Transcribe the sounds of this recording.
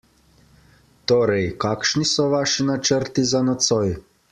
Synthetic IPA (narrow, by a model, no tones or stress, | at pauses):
t̪oːɾɛjkaːkʃnisɔʋaːʃinat͡ʃəɾt̪izanɔt̪sɔj